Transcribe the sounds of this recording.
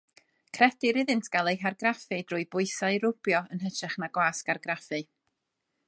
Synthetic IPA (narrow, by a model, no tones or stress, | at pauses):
kʰrɛdɪɾɪðɨntʰɡ̥alˠejɦarɡrafɨdrʊːjbʊɨsaɨɾʊb̥jɔənɦətʰrɛχnaɡwaːskarɡrafɨ